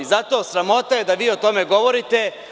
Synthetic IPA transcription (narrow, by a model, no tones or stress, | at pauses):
zat̪o̞ːsɾamo̞t̪aje̞d̪aʋiːot̪o̞me̞ɡo̞ʋo̞ɾit̪e̞